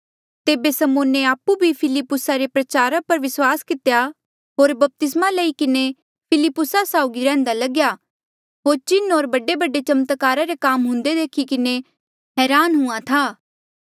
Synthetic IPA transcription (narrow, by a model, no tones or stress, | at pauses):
t̪eːbesɐmoːneaːpːubʱipʰɪlɪpːʊsaɾepɾɐt͡ʃaːɾapɐɾʋɪswaːskɪt̪ja | ɦoːɾbɐp̚t̪ɪsmalɐikɪne | pʰɪlɪpːʊsasaːʊɡiɾɛ̃ːnd̪alɐɡja | ɦoːɾt͡ʃɪnoːɾbɐɖebɐɖet͡ʃɐmət̪kaːɾaɾekaːmɦʊ̃nd̪ed̪eːkʰikɪne | ɦɛːɾaːnɦʊ̃ãt̪ʰaː